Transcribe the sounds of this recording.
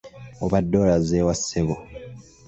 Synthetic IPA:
oβadːoːlazeːwasːeβo

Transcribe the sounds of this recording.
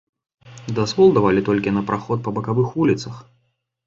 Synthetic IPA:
d̪azvɔlˠd̪avalʲit̪ɔlʲkʲinɐpɾʔaxɔt̪̚pɐbɐkavɨxvulʲit̪sɐx

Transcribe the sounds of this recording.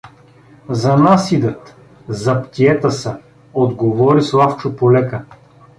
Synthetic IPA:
zɐnasid̪ət̪ | zɐpt̪ʲiɛt̪əsə | od̪ɡovɔɾislˠaft͡ʃʊpolɛkə

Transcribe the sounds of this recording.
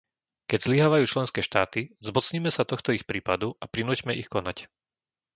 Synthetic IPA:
kɛɟzliɦaːʋajuːt͡ʃlɛnskɛːʃt̪aːt̪izmɔt͡sɲiːmɛsat̪ɔxt̪ɔixpɾiːpad̪uʔapɾinuːcmɛixkɔnac

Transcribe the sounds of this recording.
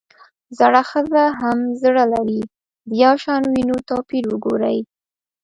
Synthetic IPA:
zaɽaxəzaɦamzəɽalaɾi | d̪əjawʃɑnwinot̪ɑpiɾwəɡoɾaj

